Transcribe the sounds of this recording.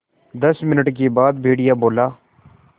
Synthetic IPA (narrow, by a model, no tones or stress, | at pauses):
d̪əsmɪnəʈk̬iːbaːd̪̚bʱeːɽɪjaːboːlaː